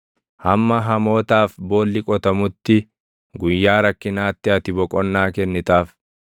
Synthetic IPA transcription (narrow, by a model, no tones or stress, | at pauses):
hɐmːɐɦɐmo̞ːt̪aːfbo̞ːlːɪkʼɔt̪ɐmʊt̪ːɪ | ɡʊjːaːɾɐkːɪnaːt̪ːɪɐt̪ɪbɔkʼɔnːaːkɛnːɪt̪aːf